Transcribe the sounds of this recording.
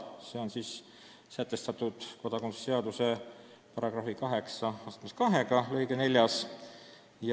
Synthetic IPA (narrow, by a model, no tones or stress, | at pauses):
se̞o̞nsiːs | sæt̪ːˑe̞st̪ɑt̪ːˑud̪̥ko̞d̪̥ɑkonsse̞ɑd̪use̞ | pɑɾɑɡ̥rɑfikɑɦe̞ksɑɑst̪meskɑɦe̞ɡ̥ɑlɤ̞jɡ̥ene̞lʲjɑs | jɑ